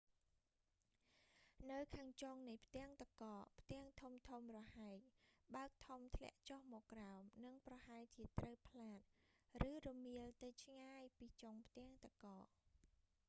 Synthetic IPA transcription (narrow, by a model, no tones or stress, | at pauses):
nɨwkʰaːŋt͡ɕoŋnɨjpʰt̪ɛ̆əŋt̪akɑːʔpʰt̪ɛ̆əŋt̪ʰumt̪ʰumrɔhaɛc̚ɓaək̚t̪ʰumt̪ʰlɛ̆əʔt͡ɕohmɔːkːraɔmnɨŋprɑhaɛlt͡ɕiət̪rəwpʰlaːt̪̚rɨːrɔmiəlt̪ɨwt͡ɕʰŋaːjpiːt͡ɕoŋpʰt̪ɛ̆əŋt̪akɑːʔ